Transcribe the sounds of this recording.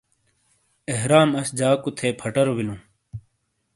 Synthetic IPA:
eɦɾaːmɐsd͡ʑaːkut̪ʰeːpʰɐʈɐɾobilũː

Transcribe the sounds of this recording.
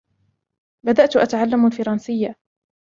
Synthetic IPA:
bad̪aʔt̪ʔat̪aʕalːamalfɑɾˤɑnsɪjːa

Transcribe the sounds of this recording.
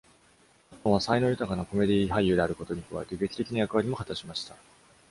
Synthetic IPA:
at̪õɰ̃βasaino̞jɯ̟t̪akanako̞me̞d̪ʲiɦajːɯ̟d̪e̞aɾɯ̟ko̞t̪o̞ɲ̟ikɯβa̰e̞t̪e̞ɡe̞kʲi̥t̪e̞kʲinajakɯ̟βaɾʲimo̞hat̪aɕimaɕi̥t̪a

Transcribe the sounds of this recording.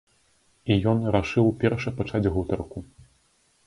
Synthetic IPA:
ijɔnɾaʂɨwpʲɛrʂɐpat͡ʂad͡zʲɦɣut̪ɐrku

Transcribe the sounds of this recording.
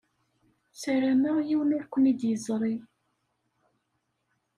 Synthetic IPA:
sæɾæməjiwəniɾkʷːənid̪jəzˤɾˤi

